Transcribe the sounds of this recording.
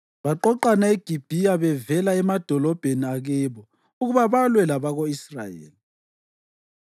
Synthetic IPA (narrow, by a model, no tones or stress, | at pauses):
βaǃɔǃanaeɡ̥ʱib̥ʱiaβɛvɛlaɛmad̥ʱɔlɔb̥ʱeniaɣɛβɔ | uɣuβaβalwɛlaβaɣoisra̰jḛːli